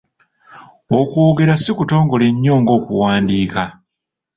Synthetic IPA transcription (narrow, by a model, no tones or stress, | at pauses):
okwoːɡe̞ɾasikuto̞ːŋɡo̞le̞ɲːo̞ːŋɡo̞ːkuwaːndiːka